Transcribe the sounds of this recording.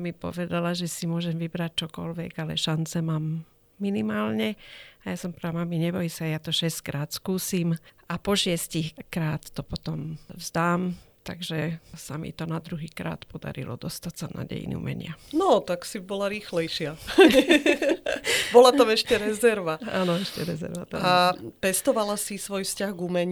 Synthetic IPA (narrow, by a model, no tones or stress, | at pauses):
mipɔ̰ʋɛd̪alaʒɛsimʊɔʒɛmʋibɾac̚t͡ʃɔkɔ̰lʋɛɡalɛ̰ʃant͡sɛmaːmː | inimaːlɲɛajaːsɔmpɾamamiɲɛbɔjisajat̪ɔʃɛsckɾaːt̪skuːsimʔapɔʃɪɛscixkɾaːt̪ːɔpɔt̪ɔmzd̪aːmt̪aɡʒɛsamḭt̪ɔnad̪ɾuɦiːkɾa̰ːt̪pɔd̪a̰ɾḭlɔ̰d̪ɔst̪acsana̰ɟɛ̰jḭnḭṵmɛ̰ɲɪanɔt̪aksibɔlaɾiːxlɛjʃɪaɛ | bɔlat̪amɛʃcɛɾɛzɛɾʋaanɔɛʃcɛɾɛzɛ̰ɾʋat̪aapɛst̪ɔʋalasisʋɔjfscaɣɡumɛɲ